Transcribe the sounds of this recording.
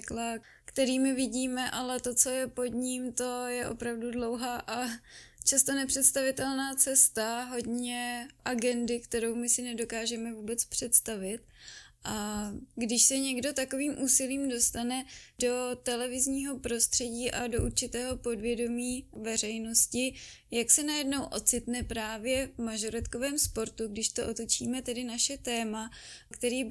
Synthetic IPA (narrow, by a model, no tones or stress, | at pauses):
kla | kt̪ɛɾiːmɪvɪɟiːmɛʔalɛt̪o̞t͡so̞jɛpo̞d̪ɲimt̪o̞jɛʔo̞̰pɾavdudlo̞wɦaːʔat͡ʃast̪onɛpr̝̥ɛt̪st̪avɪt̪ɛlnaːt͡sɛst̪aɦo̞dɲɛʔaɡɛndɪkt̪ɛɾo̞wmɪsɪnɛdo̞kaːʒɛmɛvuːbɛt͡spr̝̥ɛt̪st̪avɪt̪̚ʔaɡdɪʃsɛɲɛɡdo̞t̪ako̞viːmʔuːsɪliːmdo̞st̪anɛdo̞t̪ɛlɛvɪzɲiːɦo̞pɾo̞st̪r̝̥ɛɟiːʔado̞ʔuɾt͡ʃɪt̪ɛːɦo̞po̞dvjɛdo̞miːvɛr̝ɛjno̞scɪ | jaksɛnajɛdno̞wʔo̞̰t͡sɪt̪nɛpɾaːvjɛvmaʒoɾɛt̪ko̞vɛːmspo̞ɾt̪uɡdɪʃt̪o̞ʔot̪o̞t͡ʃḭːmɛt̪ɛdɪnaʃɛt̪ɛːmakt̪ɛɾiː